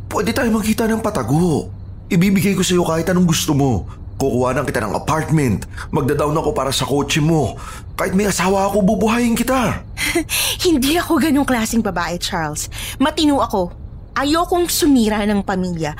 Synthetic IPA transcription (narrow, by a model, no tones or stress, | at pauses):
pwɛd̪ɛt̪aːjomɐkiːt̪ɐnɐŋpɐt̪ɐɡo | ʔɪbiːbɪɡajko̞sɐjo̞kaːhɪt̪ɐnoŋɡʊst̪omo̞ | kʊkʊwaːnɐŋkɪt̪anɐ̰ŋʔɐ̰paɹt̪̚mɛnt̪mɐɡ̚d̪ɐd̪awnɐko̞paːɾɐsɐko̞ːt͡ʃɛmo̞ | kaːhɪt̪mɐjʔɐsaːwɐɐko̞bubʊɦaːjɪŋkɪt̪a | hɪnd̪iɐko̞ɡɐno̞ŋklaːsɪŋbɐbaːʔɛt͡ʃaɹlsmɐt̪ɪnuːʔɐko̞ | ʔɐjokʊŋsʊmiːɾanɐŋpɐmiljɐ